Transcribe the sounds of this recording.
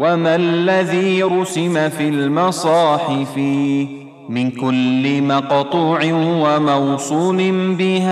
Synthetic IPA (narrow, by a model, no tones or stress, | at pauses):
wamalːaðiːɾʊsɪmafiːlmɑsˤɑːħɪfɪ | mɪnkʊlːɪmɑqɑt̪ˤuːʕɪnwamɑwsˤuːlɪnbɪhaː